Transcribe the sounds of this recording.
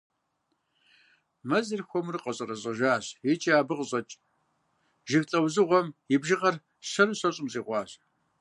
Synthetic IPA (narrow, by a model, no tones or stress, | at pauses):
mɐzɨrxʷɔmrɨqɐɕʼɐrɐʑʼɐʒaːɕit͡ʃʼaːbɨqɕʼɐt͡ʃʼ | ʒɪxɬʼɐwzɨʁʷɔmɪbʒɪʁɐr | ɕɐrɨɕɐɕʼɪmt͡sʼiːʁʷɑːɕ